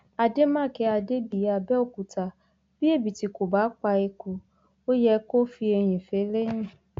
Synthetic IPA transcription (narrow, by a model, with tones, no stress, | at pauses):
a˨de˦mãː˦˨kɛ˧˦a˨de˦bi˨ja˨bɛ˦o˦˨ku˨ta˨ | b̥i˦e˦˨bi˨ti˨ko˨ba˨˦k͡pa˧e˧ko˨ | o˦jɛ˧˦ko˦fi˧e˧ɲ̃ĩ˨fe˨˦le˦ɲ̃ĩ˦˨